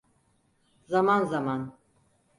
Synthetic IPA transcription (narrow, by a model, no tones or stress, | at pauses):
zamanzaman